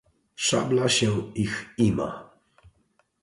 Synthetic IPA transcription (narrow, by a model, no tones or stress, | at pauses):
ʂa̰blaɕɛixima̰